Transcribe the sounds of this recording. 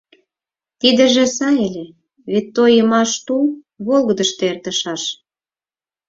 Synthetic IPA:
t̪id̪ə̆ʒĕsɑelʲe | βet̪ːojəmɑʃt̪ul | βolˠɣəd̪əʃt̪ert̪ə̆ʃɑʃ

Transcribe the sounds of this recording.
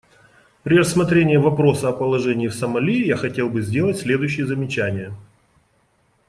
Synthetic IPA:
pɾʲɪrəsmɐt̪ɾʲenʲɪjəvɐpɾo̞səɐpəlˠɐʐɛnʲɪːfsəmɐlʲijaxɐtʲe̞lˠbɨzʲdʲe̞lˠətʲsʲlʲe̞d̪ʊjɕːɪjəzəmʲɪt͡ɕænʲɪjə

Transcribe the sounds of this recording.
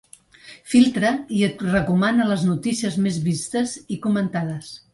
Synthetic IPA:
filˠt̪ɾəiət̪rəkumanələznut̪isiəzmezβist̪əzikumənt̪að̞əs

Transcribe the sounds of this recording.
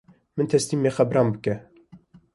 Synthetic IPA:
mɨnt̪ʰɛst̪iːmːeːxæbɾɑːmbɨkɛ

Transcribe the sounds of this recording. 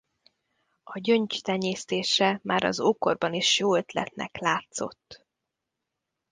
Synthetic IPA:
ɒɟøɲt͡ʃt̪ɛɲeːst̪eːʃɛmʔaːɾɒ̰zoːkorbɒniʃjoːøt̪lɛ̰t̪nɛ̰klaːt̪so̞̰t̪ː

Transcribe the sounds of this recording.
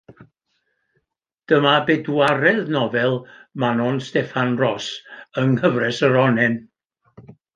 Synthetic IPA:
d̥əmabɛdwaɾɛðnɔvɛlˠmanɔnstɛfanrɔsəŋhəvrɛsəɾɔnɛn

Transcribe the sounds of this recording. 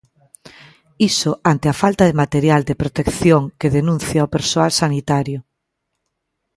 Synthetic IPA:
isʊʔant̪eafalt̪aðemat̪eɾjald̪epɾot̪ekθjoŋkeðenũnθjaopeɾsoalsanit̪aɾjʊ

